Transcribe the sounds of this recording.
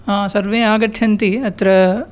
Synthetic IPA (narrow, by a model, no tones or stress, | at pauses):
ɦãːsɐɾʋeːaːɡɐʈʰjɐnt̪iɐt̪ɾɐ